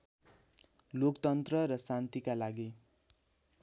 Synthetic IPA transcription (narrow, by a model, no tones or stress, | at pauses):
lokt̪ʌnt̪rʌɾʌsant̪ikalaɡi